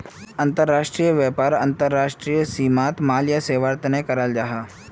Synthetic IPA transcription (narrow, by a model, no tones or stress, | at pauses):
ɐnt̪əɾːaːʃʈɾiːjəʋjapaːɾɐnt̪əɾːaːʃʈɾijəsiːmaːt̪maːlijəseːʋaɾt̪ənekɐɾəld͡ʒaɦa